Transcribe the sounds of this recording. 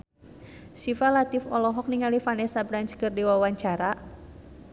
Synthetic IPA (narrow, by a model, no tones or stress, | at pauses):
sifalat̪ifɔlɔɦɔk̚niŋalifanɛsabɾaɲt͡ʃkɨrdiwawaɲt͡ʃaɾa